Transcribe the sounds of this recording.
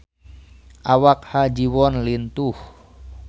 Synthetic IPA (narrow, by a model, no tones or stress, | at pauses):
ʔawak̚had͡ʒiwɔnlint̪uh